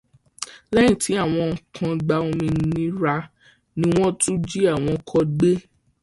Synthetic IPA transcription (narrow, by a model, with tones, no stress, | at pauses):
lɛ˦jĩ˨tʰi˨˦a˦˨w̃ɔ̃˧˨kʰã˨˧ɡ͡ba˧o˧mĩ˧n˧nĩ˦ɾa˧ | nĩ˦w̃ɔ̃˦tũ˦d͡ʒi˦a˦˨w̃ɔ̃˧kʰɔ˧ɡ͡be˦